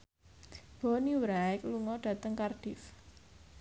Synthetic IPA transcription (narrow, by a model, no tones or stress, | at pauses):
b̥ɔniwɾaɛkluŋɔɖ̥a̤t̪əŋkarɖ̥ɪ̤f